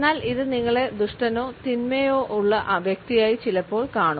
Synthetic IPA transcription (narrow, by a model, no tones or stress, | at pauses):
nːaːliðɨniŋːɐɭe̞d̪uʂʈɐno̞ːt̪inmejo̞ːʔuɭːɐʔʋjek̚t̪ijaːjit͡ɕilɐpːo̞ːɭkaːɳu